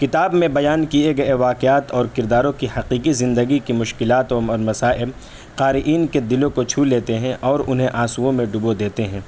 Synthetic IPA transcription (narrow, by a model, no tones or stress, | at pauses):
kɪt̪aːbmẽbɐjaːnkieɡɐeʋaːqɪaːt̪ɔːɾkɪɾd̪aːɾõkihɐqiːqizɪ̃nd̪əɡikimʊʃkɪlaːt̪ɔːɔːɾmɐsaːʔɪb | qaːɾɪʔiːnked̪ɪlõkot͡ʃʰuːleːt̪eɦɛ̃ʔɔːɾʊnɦẽʔãːsuõmẽɖʊbod̪eːt̪eɦɛ̃ː